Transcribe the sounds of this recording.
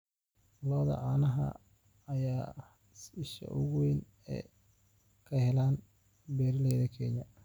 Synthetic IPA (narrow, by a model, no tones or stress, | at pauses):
lɔːðɐ̰ʕaːnɐɦɐ̰ː | jaː | sɪʃɐ̰ʔʊɣʊwɪn | ɛ̰ | kʰɐhɛlaːn | bɛːɾɪlɛjðɐkʰɛɲɐ